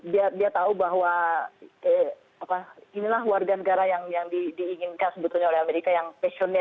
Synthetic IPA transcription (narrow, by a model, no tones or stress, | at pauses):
diadiat̪aubaɦwa | ə | apainilahwarɡanəɡaɾajaŋjaŋdidiːŋɪnkansəbət̪ulɲaolɛhameɾikajaŋpɛson